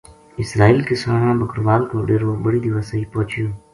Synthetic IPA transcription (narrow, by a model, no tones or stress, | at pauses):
ɪsɾaːiːlkɪsaːɳãːbəkɾʋaːnkoːɖeːɾoːbəɽiːd̪ɪʋaːsəiːpõːt͡ʃjõː